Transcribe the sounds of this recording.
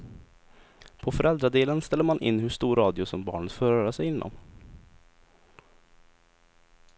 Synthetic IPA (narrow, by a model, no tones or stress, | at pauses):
pʰɔfœɾʔɛld̪ɾad̪eːlənst̪ɛlːəɾmanʔɪ̰nːhɵʂt̪uːɾɑːd̪ɪʊsɔmbɑ̰ːɳət̪foːɾœːɾasɛjɪnːɔ̰m